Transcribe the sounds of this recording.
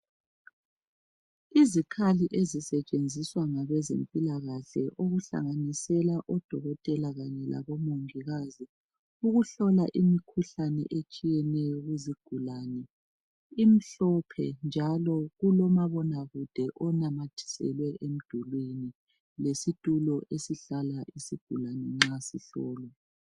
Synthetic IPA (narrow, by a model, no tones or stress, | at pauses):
izikʰaliʔezisɛt͡ʃʼend͡zʱiswaŋaβɛzempʼilaɣaɬɛʔoɣuɬa̰ŋanisɛlaʔɔd̥ʱɔɣɔtʼɛlaɣaɲɛla̰βɔmoŋiɣazi | uɣuɬɔlaʔimikʰuɬanɛ̰ʔet͡ʃʼijɛnɛjɔɣuziɡ̥ʱulaːnɛ | im̩ɬɔpʰɛnd͡ʒʱalɔɣulɔmaβɔnaɣud̥ʱɛʔɔnamatʰi̥sɛ̰lwɛʔem̩d̥ʱulweni | lesitʼulɔʔesiɬalaisiɡ̥ʱulanɛŋ͡ǁasiɬɔːlwa